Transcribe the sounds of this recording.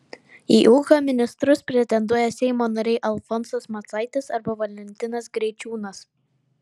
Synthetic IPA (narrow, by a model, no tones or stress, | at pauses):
iːʔuːxɐmʲɪnʲɪst̪ɾʊspʲɾʲɛt̪ʲɛnd̪uɔjɛsʲɛɪmoːnɐɾʲɛɪʔɐlˠfɔnsɐsmɐt̪sɐɪt̪ʲɪsɐɾbɐʋɐlʲɛnʲt̪ʲɪnɐsɡɾʲɛɪt͡ʃʲuːnɐs